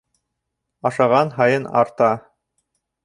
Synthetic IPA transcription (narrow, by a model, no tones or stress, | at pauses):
ɑʃɑʁɑnɦɑjɤnɑ̰ɾt̪ɑ